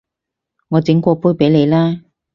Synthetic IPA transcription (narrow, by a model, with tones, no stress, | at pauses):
ŋɔː˨˧t͡sɪ˨˥ŋkʷɔː˧puː˥jpe˨˥jle˨˧jlaː˥